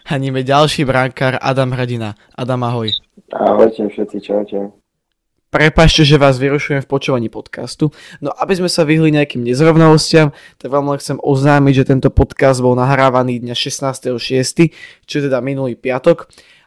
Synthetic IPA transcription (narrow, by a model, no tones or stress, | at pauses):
haɲimɛɟalʃiːbɾaŋkaːɾa̰d̪amɦɾɛɟina | ʔad̪amaɦɔj | a̰ɦɔjcɛfʃɛt̪sit͡ʃaʊcɛ | pɾɛpaːt͡ʃcɛʒɛʋaːzʋiɾuʃujɛmfpɔt͡ʃuːʋaɲiːpɔt̪ka̰st̪u | nɔʔabizmɛsaʋiɦliɲɛakiːmɲɛzɾɔʋnalɔscɪam | t̪aɡʋɛlmilɛxt͡sɛmɔznaːmiɟʒɛt̪ɛnt̪ɔpɔt̪kazd̪bɔlˠnaɦɾaːʋaniːd̪ɲaʃɛsnaːst̪ɛɦɔʃɪɛst̪i | t͡ʃɔɛt̪ɛd̪aminuliːpɪat̪ɔk